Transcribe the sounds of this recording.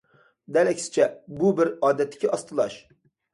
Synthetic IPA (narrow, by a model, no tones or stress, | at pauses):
d̪ɛlɛkʲsɪ̥t͡ʃʰɛbubɪɾɑːd̪ɛt̪ːɪ̥kʲiʔɑst̪ɨlˠɑʃ